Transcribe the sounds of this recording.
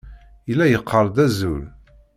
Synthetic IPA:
əlːæjəqʰːəɾˤd̪æzul

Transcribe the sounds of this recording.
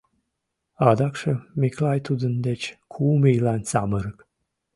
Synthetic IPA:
ɑd̪ɑkʃəmʲiklajt̪ud̪ənd̪et͡ɕkʰumijlanʲt͡sa̰məɾək

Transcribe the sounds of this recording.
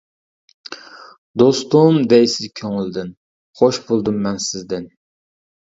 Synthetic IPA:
d̪ost̪ʊmd̪ɛjsɪzkʲʰøŋɪld̪ɪn | χoʃbolˠd̪ɨmːɛnsɪzd̪ɪn

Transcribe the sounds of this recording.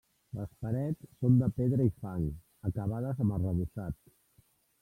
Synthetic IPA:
ləspəɾɛt͡sːond̪əpeðɾəifaŋ | əkəβað̞əzəmərəβusat̪

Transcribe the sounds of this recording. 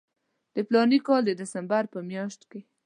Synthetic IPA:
d̪̥əplɑnikɑld̪əd̪ɪsambaɾpəmjɑʃt̪ke

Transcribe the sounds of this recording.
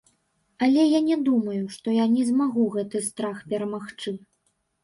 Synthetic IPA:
ɐlʲɛjanʲɛd̪umɐjuʂt̪ɔjanʲɛzmaɣuɣɛt̪ɨst̪ɾaxpʲɛɾɐmaxt͡ʂɨ

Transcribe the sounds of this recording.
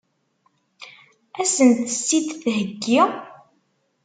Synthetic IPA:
æsənt̪əsːid̪θɦəɡːi

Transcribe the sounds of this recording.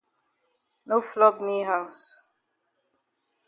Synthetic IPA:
noflɔɡmiɦaʊs

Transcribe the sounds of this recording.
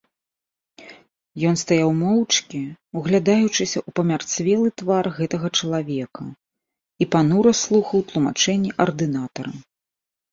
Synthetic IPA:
jɔnst̪ajawmɔwt͡ʂkʲiuɣlʲad̪ajut͡ʂɨsʲɐʔupɐmʲart̪svʲɛlˠɨt̪varɣɛt̪ɐɣɐt͡ʂɐlˠavʲɛkɐ̰ | ipanuɾɐslˠuxɐwt̪lˠuma̰t͡ʂɛnʲːiʔɐrd̪ɨnat̪ɐɾɐ

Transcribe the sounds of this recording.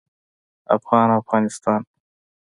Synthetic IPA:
a̰fɣɑːnafɣɑːnɪst̪ɑːn

